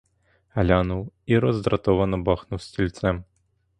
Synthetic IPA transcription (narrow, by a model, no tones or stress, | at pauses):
ɐlʲanuwiɾɐzd̪ɾat̪ɔvɐnɐbaxnuwsʲt͡sʲilʲt̪sɛm